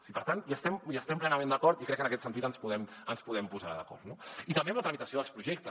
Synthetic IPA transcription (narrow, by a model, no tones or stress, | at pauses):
sipəɾt̪anʒast̪ɛmʒast̪ɛmplɛnəmẽnd̪əkɔɾt̪ikɾɛkːənəkɛt̪sənt̪it̪ənspuðɛmənspuðɛmpuzaɾəðəkɔ̰ɾt̪noit̪əmbeɐmlət̪ɾəmit̪əsioðəlˠspɾuʒɛk̚t̪ə